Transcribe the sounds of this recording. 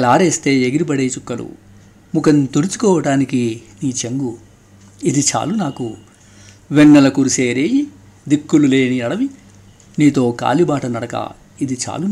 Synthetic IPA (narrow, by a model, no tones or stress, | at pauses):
laːɾeːst̪e̞ːeɡiɾip̬ɐɽeːt͡ʃukːɐlṵ | mukɐnt̪oɾit͡ʃu̥kɔːʋɐʈaːnikiniːt͡ʃeŋɡu | id̪it͡ʃa̰ːlunaːku | ʋɛɳːɐlɐkuɾuseːɾeːji | d̪ikːulule̞ːniɐɽɐʋi | niːt̪o̞ːka̰ːlibaːʈɐnɐɽɐkɐ̰ | id̪it͡ʃa̰ːlun